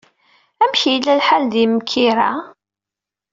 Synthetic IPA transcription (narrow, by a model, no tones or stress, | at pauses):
æmçijlːælħald̪imkʰːiɾa